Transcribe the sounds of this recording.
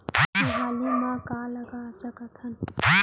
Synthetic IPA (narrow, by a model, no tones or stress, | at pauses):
iɦaːlimãkãːləɡasəkət̪ʰən